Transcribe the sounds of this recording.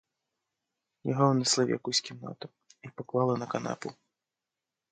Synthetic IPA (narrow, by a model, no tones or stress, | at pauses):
jaɦɔwnɛslˠawja̰kusʲkʲimna̰t̪ɐ | ipɔklˠalˠɐnɐkana̰pu